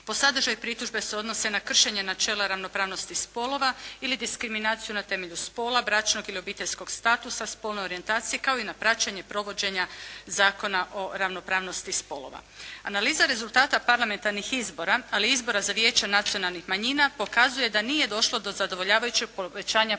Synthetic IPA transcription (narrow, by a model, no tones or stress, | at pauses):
po̞sad̪r̩ʒajpɾit̪uʒbe̞se̞o̞d̪no̞se̞nakr̩ʃe̞ɲe̞nat͡ʃe̞laɾaʋno̞pɾaːʋno̞st̪ispo̞lˠo̞ʋailid̪iskɾiminaːt̪sijunat̪e̞me̞ʎuspo̞ːlabɾat͡ʃno̞ɡilio̞biːt̪e̞ʎsko̞ɡst̪aːt̪usaspo̞lneo̞ɾient̪aːt̪sijekao̞inapɾat͡ɕaɲe̞pɾo̞ʋo̞d͡ʑe̞ɲazaːko̞naʔo̞ɾaʋno̞pɾaːʋno̞st̪ispo̞lˠo̞̰ʋa̰analiːzaɾe̞zulˠt̪aːt̪apaɾlˠame̞nt̪aɾnixizbo̞ɾaaliizbo̞ɾazaʋje̞ːt͡ɕanat̪sio̞nalˠnixmaɲiːnapo̞kazuje̞d̪anije̞d̪o̞ʃlˠo̞d̪o̞zad̪o̞ʋo̞ʎaːʋajut͡ɕeɡ̚poʋe̞t͡ɕaːɲa